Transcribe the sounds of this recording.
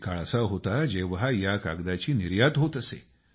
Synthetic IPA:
kaɭəsaɦot̪ad͡ʑeʋɦajaka̰ɡd̪at͡ɕiːniɾjat̪ɦot̪əsḛ

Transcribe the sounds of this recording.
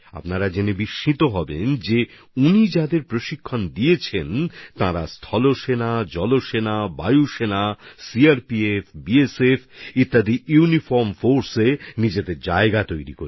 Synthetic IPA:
a̰pnaɾad͡ʑenebiʃːit̪oɦɔbḛnd͡ʑe | unid͡ʑad̪eɾpɾoʃikʰːond̪iet͡ɕʰent̪aɾast̪ʰɔloʃenad͡ʑɔloʃenaba̰juʃenasiaɾpiefbiesefit̪ːad̪ijunifɔɾmfoɾsenid͡ʑed̪eɾd͡ʑaeɡat̪ojɾḭkoɾ

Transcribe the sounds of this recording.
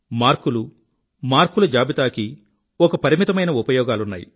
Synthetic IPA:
maːɾkulu | maːɾkulɐd͡ʒaːbit̪aːki | ɔkɐpɐɾimit̪ɐmɐjnɐupɐjɔːɡaːlunːa̰ːjḭ

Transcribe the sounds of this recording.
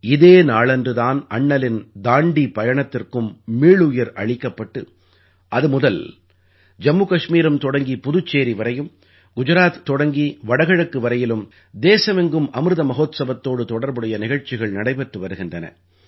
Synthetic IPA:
ɪðeːnaːɭɛndrɯðaːnɐɳːɐlɪnd̪aːɳɖipɐjɐɳɐt̪ːɪrkɯmːiːɭɯjɐɾɐ̰ɻɪkːɐpːɐʈːɯ | ʔɐðɯmʊðɐl | d͡ʒɐmːukɐʂmiːɾɯmt̪ɔɽɐŋɡipʊðʊt͡ʃːeːɾiʋɐɾɐjɯm | ɡ̥ʊd͡ʒɐɾaːt̪t̪ːɔɽɐŋɡiʋɐɽɐɣɐɻɐkːɯʋɐɾɐjɪlɯm | d̪eːsɐmɛŋɡɯmʔɐmɾɯðɐmɐɣoːt̪sɐbɐt̪ːoːɽɯt̪ɔɽɐɾbɯɽɐjɐnɪɣɐɻt͡ʃːɪɣɐɭnɐɽɐɪpɛʈrɯʋɐɾɯɣɪndrɐnɐ̰

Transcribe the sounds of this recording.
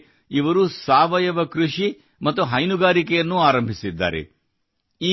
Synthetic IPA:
iʋɐɾusaːʋɐjɐʋɐkɾuʂi | mɐt̪ːuɦɐjnuɡaːɾikɛjɐnːuaːɾɐmbʱisid̪ːa̰ːɾḛ | iː

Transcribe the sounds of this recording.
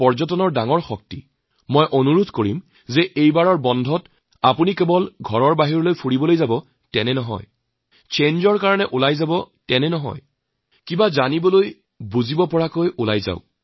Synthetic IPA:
pɔɹzɔtɔnɔɹdaŋɔɹxɔk̚tḭ | mɔjʔonuɹudʱkoɹim | zɛʔejbaɹɔɹbɔndʱɔt | apunikebɔlɡʱɔɹɔɹbaɦiɹɔlojpʰuɹibɔlojzabɔ | tɛnɛnɔɦɔ̰j | t͡ʃenzɔɹkaɹɔnɛʔulajzabɔ | tɛnɛnɔɦɔ̰j | kibazanibɔloj | buzibɔpɔɹakojʔula̰jza̰ʊ

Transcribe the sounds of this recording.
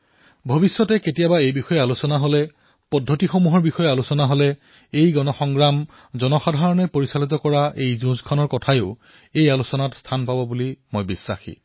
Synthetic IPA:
bʱobisːɔtɛketijabaejbixɔjɛalusɔnaɦolɛ | pɔdʱːotixomuɦɔɹbixɔjɛalusɔnaɦolɛ | ejɡɔnɔxɔŋɡɹam | zɔnɔxadʱaɹɔnɛpoɹisalit̪ɔkɔɹaʔejzũskʰanɔɹkɔtʰajʊʊ | ejalusɔnatstʰanpabɔbulimojbisːa̰xḭ

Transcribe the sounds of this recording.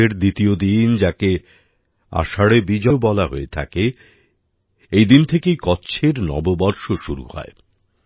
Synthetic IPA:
eɾd̪it̪iod̪ind͡ʑake | a̰ʃaɽebid͡ʑɔobɔlaɦoet̪ʰa̰ke | ejd̪int̪ʰekejkɔtːɕʰeɾnɔ̰bobɔɾʃoʃuɾṵhɔ̰e

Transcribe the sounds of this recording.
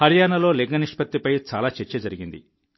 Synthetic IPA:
hɐɾijaːnɐlo̞ːleɡɐniʂpɐt̪ːipɐjt͡ʃa̰ːlaːt͡ʃeɾt͡ʃːed͡ʒɐɾiɡind̪ḭ

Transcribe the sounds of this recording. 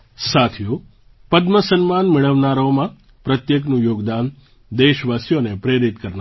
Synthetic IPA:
sat̪ʰiju | pəd̪məsənmanmɪɭəʋnaɾomã | pɾət̪jeknũjoːɡd̪an | d̪eʃʋasjonepɾeɾit̪kəɾna

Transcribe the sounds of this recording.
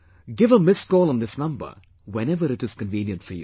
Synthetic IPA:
ɡɪvəmɪskɔːlˠə̃n̩ðɪsnʌ̃mbə̰˞ | wɛ̃nɛvəɾɨʈɨz̥kə̃nvĩːnjə̃ntfəjṵ

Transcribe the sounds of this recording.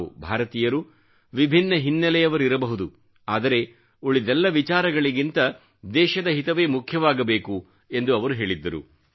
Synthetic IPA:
ṵbʱaːɾɐt̪iːjɐɾu | ʋibʱinːɐɦinːɐlɛjɐʋɐɾiɾɐbɐɦud̪u | aːd̪ɐɾe̞ | uɭid̪ɛlːɐʋit͡ʃaːɾɐɡɐɭiɡint̪ɐ | d̪ɛːʃɐd̪ɐɦit̪ɐʋe̞ːmukʰjɐʋaːɡɐbe̞ːku | e̞nd̪uɐʋɐɾuɦe̞ːɭid̪ːɐɾṵ

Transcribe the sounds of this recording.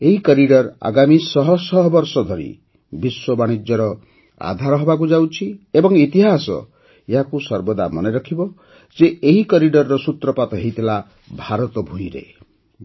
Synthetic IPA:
eɦikɔɾiɖɔɾa̰ɡamisɔɦɔsɔɦɔbɔɾsɔd̪ʱɔɾḭ | biswɔbaɽ̃id͡ʒjɔɾɔ | a̰d̪ʱaɾɔɦɔbak̬ud͡ʒawt͡ʃʰiebɔŋit̪iɦasɔ̰ | eɦakusɔɾbɔd̪amɔneɾɔkʰibɔ | d͡ʒeeɦikɔɾiɖɔɾːɔsut̪ɾɔpat̪ɔɦejt̪ʰila | bʱaɾɔt̪ɔbʱujɾḛ

